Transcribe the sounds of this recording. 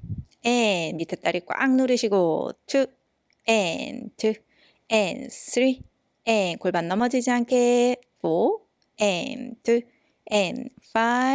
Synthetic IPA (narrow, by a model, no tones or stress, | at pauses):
enːitʰet͈aɾik͈wa̰ŋnoɾɯɕʰiɡotʰu | entʰɯ | ensʰɾi | enkoɭbanːʌmʌd͡ʑid͡ʑiɦankʰe | po | entʰu | enfa